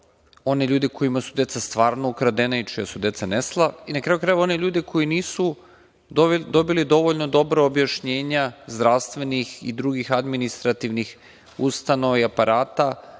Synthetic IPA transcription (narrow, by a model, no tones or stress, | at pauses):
o̞neʎuːd̪eko̞imasud̪e̞t̪sast̪ʋaːɾnoukɾad̪enait͡ʃijasud̪e̞t̪saneslˠainakɾaːjukɾaːjuo̞neʎuːd̪ekʰo̞jiniːsu | d̪o̞bilid̪o̞ʋo̞ʎno̞d̪o̞bɾaobjaʃɲe̞ːɲazd̪ɾast̪ʋe̞nixḭd̪ɾuːɡixad̪minist̪ɾat̪iʋnix | ust̪ano̞ʋaiapaɾaːt̪a